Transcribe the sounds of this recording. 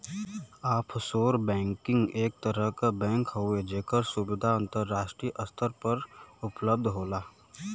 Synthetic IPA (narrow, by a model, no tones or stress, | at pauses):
aːpʰsoːɾbɛ̃ːŋkɪ̃ŋɡeːk̚t̪əɾəɦkabɛ̃ːŋkɦoed͡ʒeːkəɾsʊbɪd̪ʱaə̃nt̪əɾːaːʃʈɾiːʔəst̪ʰəɾpəɾʊpləb̚d̪ʱɦoːlaː